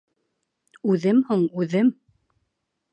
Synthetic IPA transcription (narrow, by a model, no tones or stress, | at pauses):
ʉðɘmhuɴʉðɘm